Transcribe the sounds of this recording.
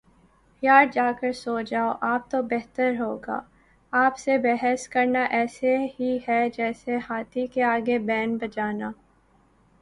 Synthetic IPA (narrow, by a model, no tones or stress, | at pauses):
pjaːɾd͡ʒaːkəɾsoːd͡ʒaːoʔaːp̚t̪obɛɦt̪əɾɦoːɡa̰ː | aːpsebɛɦɛskɐɾnaʔɛːseɦiɦɛd͡ʒɛːsehaːt̪ʰikeaːɡebɛːnbɐd͡ʒaːnaː